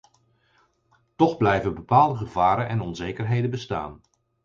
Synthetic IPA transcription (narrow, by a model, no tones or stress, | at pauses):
tɔχblɛjvəbəpaːlˠdəχəvaːɾənʔɛnɔnzejkərɦejdəbəsta̰ːn